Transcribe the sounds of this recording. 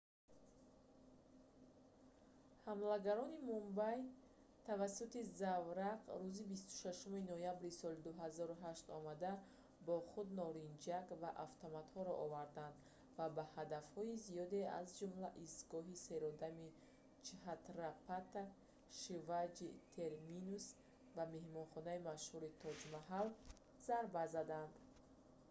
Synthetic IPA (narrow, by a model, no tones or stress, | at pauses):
hamlaɡaɾɔnimumbaj | t̪ʰavasːut̪izavɾaqɾuzibist̪u̥ʃaʃuminɔjabɾisɔlid̪uɦazɔɾuɦaʃt̪ɔmad̪a | bɔχud̪nɔɾind͡ʒakvaʔaft̪ʰɔmat̪hɔɾɔ̰ʔɔvaɾd̪and̪ | vabahad̪afhɔizijɔd̪e̞a̰zd͡ʒumlaʔist̪ɡɔɦise̞ɾɔd̪ami | t͡ʃhat̪ɾapat̪a | ʃivad͡ʒit̪ʰe̞ɾminus | vame̞hmɔnχɔnaimaʃhuɾit̪ʰɔd͡ʒmaɦal | z̥aɾbazad̪and̪